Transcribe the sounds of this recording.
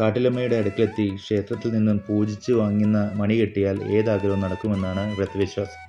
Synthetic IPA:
kaːʈːilɐmːɐjuɽe̞ɐɽɐkːilet̪ːikʂe̞ːt̪rɐt̪ːilninːumpuːd͡ʑit͡ɕːɨʋaːŋːunːɐmɐɳikeʈːijaːle̞̰ːðaːɡɐlɐmnɐɽɐkːume̞nːaːɳɨret̪ːɐʋiɕʋaːs

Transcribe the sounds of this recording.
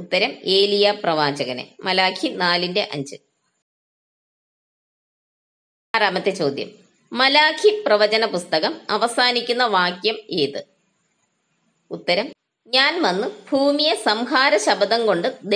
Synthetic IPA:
ut̪ːɐɾɐme̞ːlijaprɐʋaːt͡ɕɐɣɐnḛmɐlaːkʰinaːlinde̞ʔɐɲd͡ʑɨ | ɾaːmɐt̪ːet͡ɕo̞ːd̪jɐ̰mː | ɐlaːkʰiprɐʋɐt͡ɕɐnɐpust̪ɐɣɐmɐʋɐsaːnikʲːunːɐʋaːkjɐmeːðɨ | ut̪ːɐɾɐm | ɲaːnʋɐnːɨbʱuːmijɐsɐmhaːɾɐɕɐbɐd̪ɐmko̞ɳɖɨd̪e

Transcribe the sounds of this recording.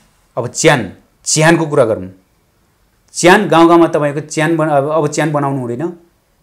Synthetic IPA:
ʌbʌt͡sjan | t͡sjankok̬uɾaɡʌɾum | t͡sjanɡãw̃ɡãwmat̪ʌpaĩkot͡sjanbʌʌbʌt͡sjanbʌnawnuɦũd̪ʌjnʌ

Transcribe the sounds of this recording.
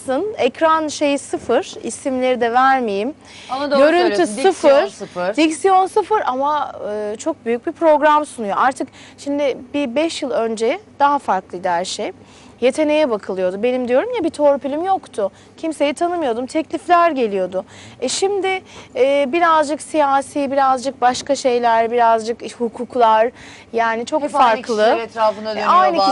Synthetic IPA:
sɯnɛcɾanʃe̞jisɯfɯɾ̥ḭsimlʲe̞ɾid̪ɛvæɾmijim | d̪ɡøɾynt̪ʰysɯfɯɾd̪icsijo̞nsɯfɯɾamaɯːt͡ʃʰo̞k̚byjyc̚bipʰɾo̞ɡɾamsunujo̞ʔaɾt̪ʰɯk | ʃimd̪ɪbibɛʃjɯlˠø̞nd͡ʒɛd̪̥aɦafaɾklˠɯd̪æɾʃej | je̞t̪ʰe̞ne̞jɛbakʰɯlˠɯjo̞d̪ube̞nimd̪ijo̞ɾumjabit̪ʰo̞ɾpylʲimjo̞kt̪ʰʊ | cʰimse̞jit̪ʰanɯmɯjo̞d̪umt̪ʰɛclʲiflʲæɾɟe̞lʲijo̞d̪ʊɛʃimd̪ɪː | biɾazd͡ʒɯksijaːsibiɾazd͡ʒɯk̚baʃkaʃe̞jlʲæɾbiɾazd͡ʒɯkhukʰuːklˠaɾ | jaːnɪt͡ʃʰo̞ffaɾklˠɯɛt̪ɾaːfɯnaøajn

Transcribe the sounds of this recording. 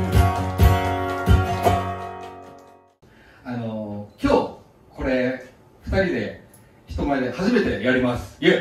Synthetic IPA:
ano̞kʲo̞ː | ko̞ɾe̞ | ɸɯ̥t̪aɾʲid̪e̞ | çi̥t̪o̞maed̪e̞haʑime̞t̪e̞jaɾʲimasɨ̥je

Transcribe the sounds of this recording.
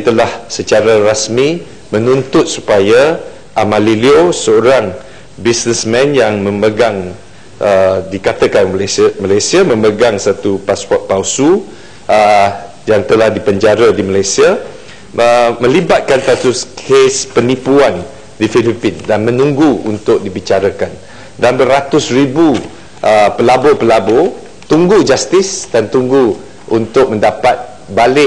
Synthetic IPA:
t̪əlahsət͡ʃaɾaɾasmĩ | mə̃nũnt̪ʊt̪̚su̥paja | ʔamãliliosəoɾaŋ | bisnəsmɛ̃njaŋmə̃məɡaŋ | ədikat̪əkanmalajsiamə̃məɡaŋsat̪upaswɔʔ̪̚pawsu | ə | jaŋt̪əlahdipəɲd͡ʒaɾadimalajsia | əmə̃libat̪̚kant̪at̪ʊskʰespənipuan | difilipɪndanmə̃nũŋɡuṵnt̪ʊk̚dibit͡ʃaɾakan | danbəɾat̪ʊsribu | ʔəpəlabopəlabo | t̪uŋɡud͡ʒast̪ɪsdant̪uŋɡu | ʔunt̪ʊk̚mə̃ndapat̪̚ | balɪ

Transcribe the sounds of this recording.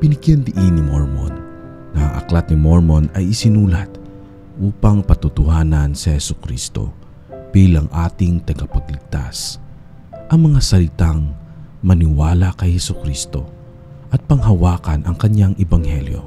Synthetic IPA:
pɪnɪɡjɛnd̪ɪʔinɪmoɹmo̰nː | ɐɐ̰ŋʔɐ̰klat̪̚nɪmoɹmonɐjɪsɪnuːlɐt̪̚ | ʔuːpɐŋpɐt̪ʊt̪ʊhaːnɐnsɐhɛsʊkɾiːst̪o̞̰ | b̥iːlɐŋʔaːt̪ɪŋt̪ɐɡapɐɡlɪɡ̚t̪a̰s | ʔɐŋmɐŋasɐlɪt̪aŋmɐnɪwaːlɐkɐjhɛsʊkɾist̪o̞ | ʔɐt̪̚pɐŋɦɐwaːkɐnʔɐŋkɐɲaŋʔɛbɐŋhɛljo̞̰

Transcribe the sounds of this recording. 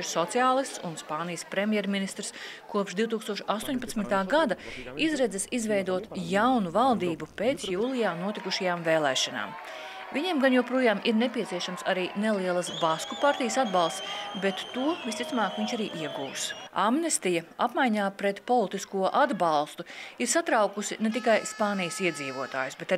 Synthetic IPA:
ɾsɔt̪sijaːlˠist̪sunspaːnijəspɾemʲjɛɾminist̪ɾskuɔpʃd̪iwt̪uːkst̪uɔʃast̪uɔːɲʲpat̪smit̪aːɡad̪aizɾɛdzɛsizvɛjd̪uɔt̪jawnuvalˠd̪iːbupeːt̪sjuːlˠijaːnuɔt̪ikuʃajaːmveːlˠɛːʃana̰ːm | viɲemɡanjuwpɾuɔjaːmʔiɾnepiɛt̪siɛʃamsaɾiːnelˠiɛlˠɐsbaskupaɾt̪ijəsad̪bɑlˠst̪sbɛt̪ːuɔvist̪it̪sumaːkʋiɲt͡ʃaɾiːʔiɛɡuːsamnest̪ijɐapmajɲaːpɾɛt̪pɔlˠit̪iskuɔʔad̪balˠst̪uiɾsat̪ɾawkusinet̪ikajspaːnijəsiɛd̪ziːʋuɔt̪a̰ːjusbɛt̪a

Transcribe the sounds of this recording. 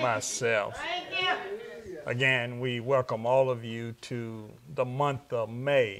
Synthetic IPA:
maɪsɛlˠf | ʔɨ̰ɡɛ̃nwiwɛlˠkə̃mɔlˠʌvjʉɾʰɨ | ðəmʌ̃nθʌvmeɪ

